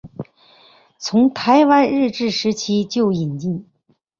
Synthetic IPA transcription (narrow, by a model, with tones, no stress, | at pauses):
t͡sʰʊ˧˥ŋt̪ʰa˧˥ɪwa˧˥nɻɻ̩˥˧ʈ͡ʂɻ̩˥˩ʂɻ̩˧˥t͡ɕʰi˧˥t͡ɕjo˥˩ʊi˨˩nt͡ɕi˥˩ŋ